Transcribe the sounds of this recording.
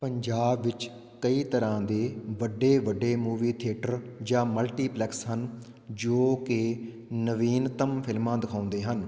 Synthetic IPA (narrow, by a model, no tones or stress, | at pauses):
pəɲd͡ʒaːbʋɪt͡ʃ | kəiːt̪əɾãːd̪eːʋəɖːeːʋəɖeːmuːʋiːt̪ʰɪʈəɾd͡ʒãːməlʈiːplɛːksɦən | d͡ʒoːkɪ | nəʋiːnt̪əmpʰɪlmãːd̪ɪkʰaːʊ̃nd̪eːɦən